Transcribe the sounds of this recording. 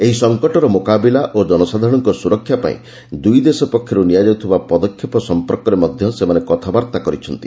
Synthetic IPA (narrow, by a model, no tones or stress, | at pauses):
eɦisɔŋkɔʈɔɾɔmokabilaʔod͡ʒɔnɔsad̪ʱaɾɔɽ̃ɔŋkɔsuɾɔkʰːjapa̰ḭ̃ | d̪ujd̪esɔpɔkʰːjɔɾunijad͡ʒɔut̪ʰibapɔd̪ɔkʰːjɔpɔsɔmpɔɾkɔɾemɔd̪ʱjɔsemanekɔt̪ʰabaɾt̪akɔɾit͡ʃʰɔnt̪i̥